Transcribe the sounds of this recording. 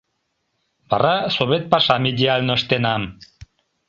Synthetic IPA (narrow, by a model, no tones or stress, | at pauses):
barasoβet̪̚paʃamiʎialnost̪enan